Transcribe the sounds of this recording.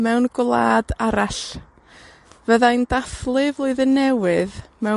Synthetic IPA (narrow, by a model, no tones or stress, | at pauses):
mɛwnɡwlˠa̰ːdaɾaɬ | vəðandaθlˠɨvlˠoɨðənɛwɨðmɛ